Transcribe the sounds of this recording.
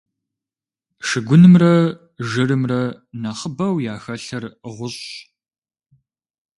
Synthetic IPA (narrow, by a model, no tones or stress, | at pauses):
ʂɨɡʷʊnɨmrɐ | ʒɨɾɨmrɐ | nɐχəbɐwjaːxɐɬɐrʁʷʊɕ